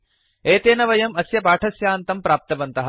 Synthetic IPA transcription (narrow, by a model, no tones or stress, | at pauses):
eːt̪eːnɐʋɐjɐmɐsjɐpaːʈʰɐsjaːnt̪ɐmpɾaːp̚t̪ɐbɐnt̪ɐɦɐ